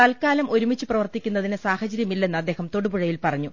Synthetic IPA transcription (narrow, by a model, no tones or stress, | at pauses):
ɐlkaːlɐmʔo̞ɾumit͡ɕːuprɐʋɐrt̪ikʲːunːɐðinɨsaːhɐt͡ɕɐɾjɐmilːe̞nːɨɐd̪ːe̞ːhɐmt̪o̞ɽubuɻɐjilpɐrɐɲːu